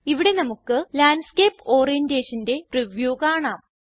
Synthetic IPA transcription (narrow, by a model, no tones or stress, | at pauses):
iʋiɽe̞nɐmukːɨlaːnɖskeːpːo̞ːrijɐndeːʂɐnde̞prɐʋjoːɣaːɳaːm